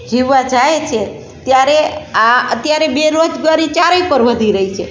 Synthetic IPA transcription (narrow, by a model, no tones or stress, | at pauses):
d͡ʒʱiʋːad͡ʒaet͡ʃʰe | t̪jaɾeaət̪jaɾebeɾod͡ʒɡʋaɾit͡ʃaɾəipəɾʋəd̪ʱiɾəɦit͡ʃʰe